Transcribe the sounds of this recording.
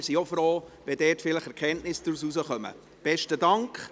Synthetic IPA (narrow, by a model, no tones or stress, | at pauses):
ɾsiofɾoːʋɛdɛːtfɪləχɛɾkʰɛntnɪsd̥ɾususəχœmə̰ | b̥ɛʃtədɑŋkχ